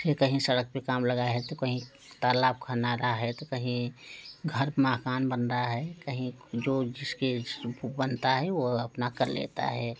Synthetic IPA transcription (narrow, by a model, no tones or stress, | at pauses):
sekəɦĩsɐɾək̚pekaːmləɡaɦɛt̪okəɦĩ | t̪aːlaːb̚kʰənaɾaɦɛt̪okəɦĩɡʱəɾmaːkaːnbənɾaɦɛkəɦĩd͡ʒoːd͡ʒɪskebbənt̪aɦɛʋoɐpnakəɾlḛt̪a̰ɦɛː